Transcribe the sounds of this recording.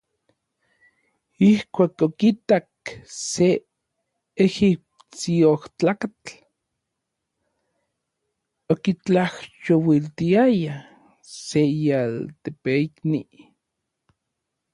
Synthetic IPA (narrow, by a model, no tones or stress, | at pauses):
ihkʷaːkokit̪akse | exip̚ | t͡sioht͡ɬaːkat͡ɬ | okit͡ɬaht͡ʃowilt̪iaja | sejalt̪epeikni